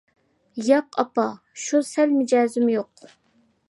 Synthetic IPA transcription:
jɑqɑpɑ | ʃusɛlmɪd͡ʒɛːzɪmjoq̚

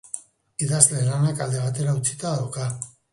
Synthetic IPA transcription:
iðazle̞lanakald̪eβ̞at̪e̞ɾaut͡sit̪aðawka

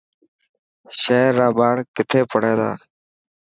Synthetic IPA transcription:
ʃeːɾːaːbaːɽkɪt̪ʰeːpəɽeːd̪a̰ː

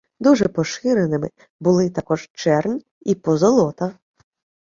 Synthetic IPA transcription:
d̪uʒɛpɔʃɪɾenɪmɪ | bʊlˠɪt̪ɐkɔʒt͡ʃɛrnʲ | ipɔzɔlˠɔt̪ɐ

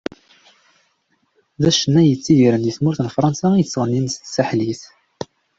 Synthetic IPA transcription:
ðæʃənːæjət͡sːijiɾənjəθmuɾθənfɾˤɑnsaijət͡sːʁənːinst̪saħliθ

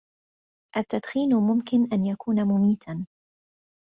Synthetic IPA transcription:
ʔat̪ːad̪xiːnmʊmkɪnʔanjakuːnamʊmiːt̪ʰan

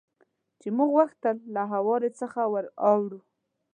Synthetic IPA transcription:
t͡ʃemuɡɣwaxt̪əlːaɦawɑɾet͡səxawəɾɑwɾu

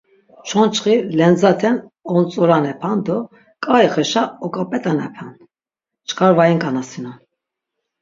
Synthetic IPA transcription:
t͡ʃʰɔnt͡ʃʰχilɛnd͡zat̪ʰɛnɔnt͡sʼɔɾanɛpʰand̪ɔ | kʼaɛχɛʃaɔkʼapʼɛt̪ʼanɛpʰand̪ | t͡ʃʰkʰʼaɾvajinkʼanasinɔn

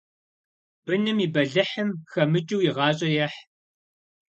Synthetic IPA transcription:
b̥ɨnɨmiːbɐɮɨħəmxɐmɨt͡ʃʼɪwjɪʁɑːɕʼɐjɐħ

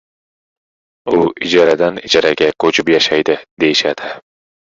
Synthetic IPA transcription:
uid͡ʒɑɾad̪anid͡ʒɑɾaɡʲakʰot͡ʃʰɪpjaʃajd̪ɪd̪̥ejiʃad̪̥ɪ

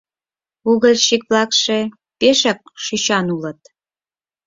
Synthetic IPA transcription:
uɣəlʃikβlɑkʃe | peʃɑk̚ʃyt͡ɕɑnulə̆t̪̚

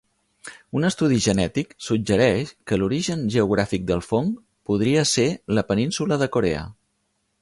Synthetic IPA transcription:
unəst̪uð̞iʒənɛt̪iksud͡ʒəɾɛʃkəluɾiʒənʒəuɣ̞ɾafik̚d̪əlˠfoŋ | puðɾiəseləpəninsuləðəkuɾḛə̰

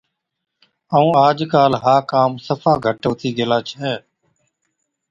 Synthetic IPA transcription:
əũːaːd͡ʒkaːlɦaːkaːmsəfʰaːɡʱəʈoːt̪iːd̪ɪlaːt͡ʃʰɛː

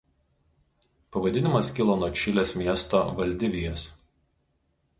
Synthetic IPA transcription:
pɐʋɐd̪ʲɪnʲɪmɐskʲɪlˠoːnoɔt͡ʃʲɪlʲeːsmʲiɛst̪oʋɐlʲd̪ʲɪʋʲɪjoːs

